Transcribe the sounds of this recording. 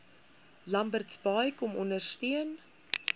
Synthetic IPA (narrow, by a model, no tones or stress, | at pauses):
lɐmbərtsbɑjkɔmɔndərstyən